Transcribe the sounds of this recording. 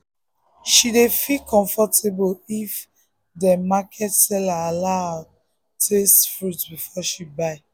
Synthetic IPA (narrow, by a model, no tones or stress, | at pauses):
ʃidefilkʰɔ̃ɱfɔtʰebolif | dəmakʰɛtsɛlaːlaa | tʰestfɹutbifɔʃibaɪ